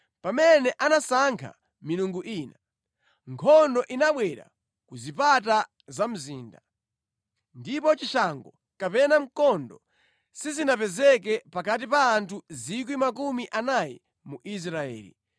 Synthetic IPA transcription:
pamɛnɛʔanasaŋkʰa̰ | minuŋɡuʔiːna | ŋkʰɔndɔʔinaɓwɛɾa̰ | kuzipat̬a | zam̩zḭːnda | ndipɔt͡ʃiʃaŋɡɔ | kapɛnam̩kɔndɔ | sizinapɛzɛk̬ɛpakat̬ipaːntʰuzik̬wimakumiʔanajɛ̰ | muʔis̬ɾaɛ̰ːlḭ

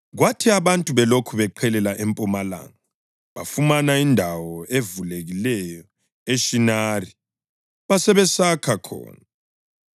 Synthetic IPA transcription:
ɣwatʰiaβantʼuβɛlokʰuβɛǃʰɛlɛlaʔempʼumala̰ːŋa | βa̰fumanaindʱawɔʔevuleɣilɛjɔ | eʃinaːri | βasɛβɛsakʰakʰɔ̰ːna

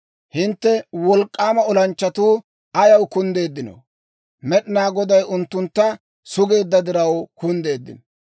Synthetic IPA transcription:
hɪnt̪ːɛwɔlkʼːaːmɐɔlɐnt͡ʃːɐt̪uː | ɐjɐwkʊnd̪e̞ːd̪ːɪnɔ̰ | mɛɗɪnaːɡɔd̪ɐjʊnt̪ːʊnt̪ːɐ | sʊɡe̞ːd̪ːɐd̪ɪɾɐwkʊnd̪e̞ːd̪ːɪ̰n

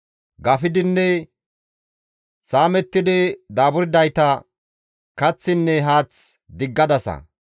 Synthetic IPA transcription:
ɡɐfɪd̪ɪnːɛ | saːmɛt̪ːɪd̪ɪd̪aːbʊɾɪd̪ɐjt̪ɐ | kɐt͡sːɪnːɛɦaːt͡s | d̪ɪɡːɐd̪ɐsɐ̰

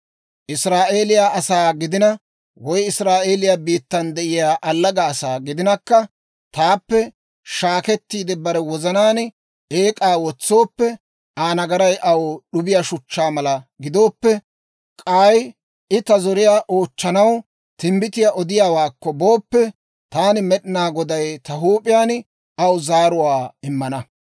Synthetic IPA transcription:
ʔɪsɾaːʔe̞ːlɪjaːɐsaːɡɪd̪ɪnɐ | wɔjɪsɾaːʔe̞ːlɪjaːbiːt̪ːɐnd̪ɛʔɪjaːʔɐlːɐɡɐːsaːɡɪd̪ɪnɐkːɐ | t̪aːpːɛ | ʃaːkɛt̪ːiːd̪ɪbɐɾɛwɔzɐnaːn | eːkʼaːwɔt͡sːo̞ːpːɛ | ʔaːnɐɡɐɾɐjʔɐwoːɗʊbɪjaʃʊt͡ʃːaːmɐlɐɡɪd̪o̞ːpːɛ | kʼaːj | ʔɪt̪ɐzɔɾɪjaːʔo̞ːt͡ʃːɐnɐw | t̪ɪmbɪt̪ɪjaʔɔd̪ɪjaːwaːkːɔbo̞ːpːɛ | t̪aːnɪmɛɗɪnaːɡɔd̪ɐjt̪ɐɦuːpʼɪjaːn | ɐwzaːɾʊwaːɪmːɐnɐ

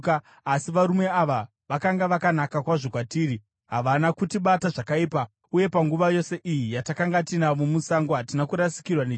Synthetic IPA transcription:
kː | siʋaɾume̞aʋa | ʋakaŋɡaʋakanakakwaʐo̞kwatiːɾi | ɦaʋanakutiɓataʐakaiːpa | uje̞paŋɡuʋajo̞se̞ʔijijatakaŋɡatinamumusaŋɡoɦatinakuɾasi̥kirwane

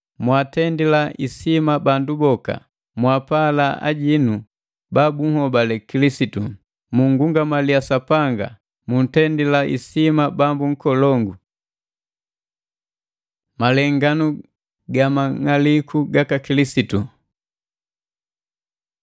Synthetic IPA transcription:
mwatɛndilaʔisimabandubɔka̰ | mwapalaa̰ɟinu | babuŋhɔbalɛkilisitu | muŋɡuŋɡamalijasapaŋɡa̰ | mun̩tɛndilaʔḭsimabambuŋ̩kɔlɔŋɡu | malɛŋɡanu | ɡamaŋalikʰuɡakakilisitu

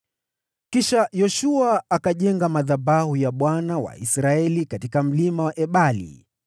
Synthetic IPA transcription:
kiʃajɔʃuaːkaʄɛŋɡamaðabahujaɓwanawa̰ḭsɾaɛlikatikam̩limawaʔɛɓalḭ

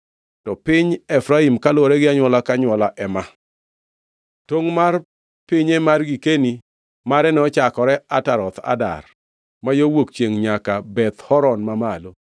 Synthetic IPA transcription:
tɔpɪɲɛfɾaimkalwɔɾɛɡɪaɲwɔlakaɲwɔlaʔɛma | toŋmar | pɪɲɛmarɡikeni | maɾɛnɛɔt͡ʃakɔɾɛataɾɔt̪a̰da̰r | majowokt͡ʃeŋɲakabɛt̪hɔɾɔnmamalo

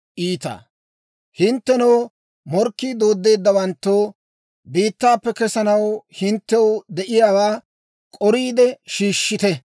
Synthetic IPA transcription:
ʔiːt̪a̰ː | hɪnt̪ːɛnɐː | mɔɾkːiːd̪o̞ːd̪ːe̞ːd̪ːɐwɐnt̪ːoː | biːt̪ːaːpːɛkɛsɐnɐwhɪnt̪ːɛwʊd̪ɛʔɪjaːwaː | kʼɔɾiːd̪ɛʃiːʃːɪt̪ɛ

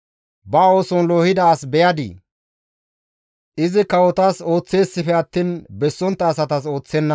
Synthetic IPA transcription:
bɐo̞ːsɔnlo̞ːhɪd̪ɐːsbɛjɐd̪ḭ | ʔɪzɪkɐwɔt̪aːso̞ːt͡sːe̞ːsːɪfɛɐt̪ːiːnbɛsːɔnt̪ːɐːsɐt̪ɐso̞ːt͡sːɛnːɐ

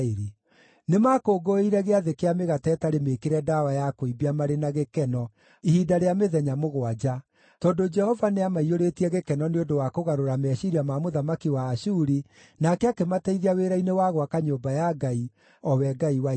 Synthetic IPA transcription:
ɾi | nemakoːɡoeiɾɛɣeaðekeameɣatɛtaɾemekeɾɛdawajakoibiamaɾenaɣekɛnɔ | ihiːdaɾeameðɛɲamoɣwad͡ʒa | tɔndod͡ʒɛhɔvaneamaioɾetiɛɣekɛnɔneondowakoɣaɾoɾamɛːɕiɾiamamoðamakiwaːʃuːɾi | nakɛakematɛiðiaweɾainewaɣwakaɲoːmbajaɡai | ɔwɛɡaiwa

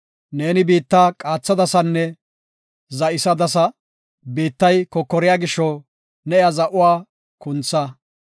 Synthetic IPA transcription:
ne̞ːnɪbiːt̪ːaːkʼaːt͡sːɐd̪ɐsɐnːɛ | zɐʔɪsɐd̪ɐs̬ɐ | biːt̪ːɐjkɔkːɔɾɪjaːɡɪʃːɔ | nɛjazɐʔʊwaː | kʊnt͡sːɐ

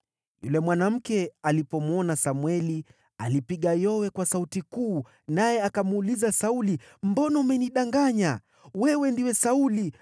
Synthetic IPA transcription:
jṵlɛmwanam̩kɛalipɔmwɔnasamwɛli | alipiɠajɔwɛkwasautikuː | najɛakamuulizasauli | mbɔnɔmɛniɗaŋɡaɲa | wɛwɛndiwɛsauli

